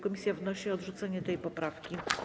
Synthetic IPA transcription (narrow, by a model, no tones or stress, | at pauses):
kɔmʲisʲjavnɔɕiɔd̪ʐut̪sɛɲɛt̪ɛjpɔpɾafkʲi